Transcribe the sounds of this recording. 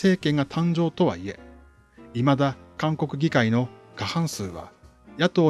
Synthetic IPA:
e̞ːkẽ̞ŋɡat̪ʰãɲ̟d͡ʑo̞ːt̪o̞βa̰ie̞̰ | imad̪akãŋko̞kɯ̟ɡʲikaino̞ | kahãɰ̃sɨːβa̰ | jat̪o̞ː

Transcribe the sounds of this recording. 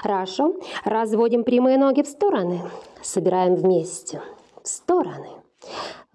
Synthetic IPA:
ɾaʂorɐzvo̞dʲɪmpɾʲɪmɨjəno̞ɡʲɪfst̪o̞ɾənɨsəbʲɪɾajɪmvmʲesʲtʲɪ | fst̪o̞ɾənɨ

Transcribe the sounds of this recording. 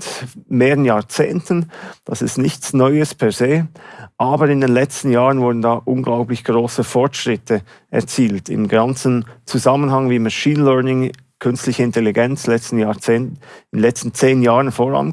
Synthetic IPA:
tmeːʁənjaːʁt͡seːntənd̥ɑsɪ̰stnɪçt͡snɔʏəspʰɛɐzeːʔaːbəɾɪndeːnlɛt͡stn̩jaːʁənvʊɾdn̩daːʔʊnɡlaʊplɪçɡ̥ʁoːsəfɔʁtʃʁɪtʰə | ʔɛ̰ɐt͡siːltɪ̰mɡant͡sn̩t͡suzamənhɑŋviːmɑʃiːnlœɐnɪŋ | kʰʏnstlɪçəɪntʰeliɡɛnt͡slɛt͡stn̩jaːt͡seːntɪnlɛt͡stn̩t͡seːnjaːʁənfoːʁa̰n

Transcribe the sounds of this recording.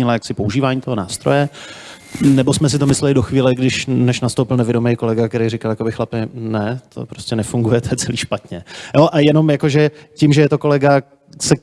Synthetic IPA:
ɪlajaksɪpouʒiːvaːɲiːt̪oɦo̞na̰ːst̪ɾo̞jɛ | nɛbosmɛs̬ɪt̪omɪslɛlɪdoxviːlɛɡdɪʃnɛʃnast̪owpɪlnɛvjɪɛdomejko̞lɛɡak̚t̪ɛɾejrɪkaljakobɪxlapɪnɛt̪ʰo̰pɾo̥scʲɛnɛfuŋɡujɛt̪ʰɛt͡sɛliːʃpat̪ɲɛjoʔajɛno̞mjako̞ʒɛcɪmʒɛjɛt̪o̞ko̞lɛɡa | sɛk

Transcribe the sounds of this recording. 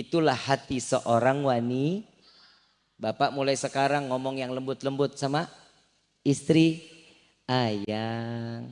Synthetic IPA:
it̪ulahːat̪isəʔoɾaŋwani | bapaʔmulajsəkaɾaŋːɔmɔŋjaŋləmbʊt̪ləmbʊt̪̚sama | ist̪ɾi | ajaŋ

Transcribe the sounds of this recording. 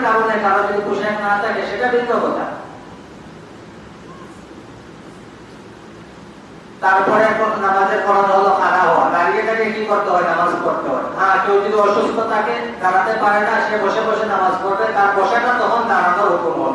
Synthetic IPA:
kaɾonekaɾad͡ʑod̪ibuʃeɛkmast̪ʰakeʃeʈabiɡobot̪a̰ | t̪aɾpɔɾeɛkʰonnat̪ad̪eɾkʰɔɾonaɦɔlokʰadaɦɔa̰baɾiket̪akekikoɾt̪eɦɔenamazkoɾt̪eɦɔ̰eɦãkeod͡ʑid̪iɔʃust̪ʰot̪ʰake | d̪ʱanat̪epaɾenaʃebɔʃebɔʃenamazkoɾbet̪aɾbɔʃaʈat̪ɔkʰond̪ʱananoɾokumbɔn

